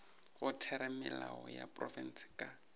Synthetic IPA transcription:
ɣʊtʰɛɾɛmɪlaɔja̰pʼrɔfɛn̩sɪ̥kʼa

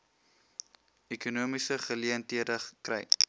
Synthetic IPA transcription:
ekunuəmisəχəliəntiədəkrɛ̰j

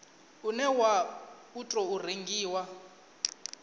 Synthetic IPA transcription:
unɛwa | utʼɔur̤eŋɡiːwa

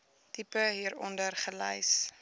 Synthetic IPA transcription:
tipəɦiːəɾɔ̰ndərχələ̰js

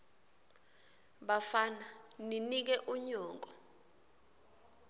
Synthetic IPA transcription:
ɓafananinik̬ɛʔuɲɔːŋɡʼɔ

